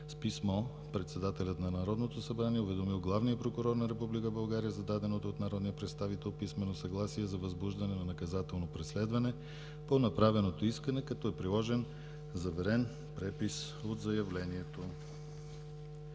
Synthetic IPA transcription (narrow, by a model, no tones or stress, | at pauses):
spismɔ | pɾɛt̪sɛd̪at̪ɛlʲət̪nɐnɐɾɔd̪not̪osɐbɾaniɛʊvɛd̪omilˠɡlˠavnijəpɾokuɾɔɾnɐɾɛpublikəbɐlˠɡaɾijəzɐd̪ad̪ɛnot̪oːt̪nɐɾɔd̪nijəpɾɛt̪st̪avit̪ɛlˠpismɛnosɐɡlˠasiɛzɐvɐzbuʒd̪ɐnɛnɐnɐkɐzat̪ɛlˠnopɾɛslɛd̪vɐnɛ | ponɐpɾavɛnot̪oiskɐnɛkɐt̪ɔɛpɾilˠɔʒɛn | zɐvɛɾɛn | pɾɛpis | od̪zɐjɐvlɛniɛt̪o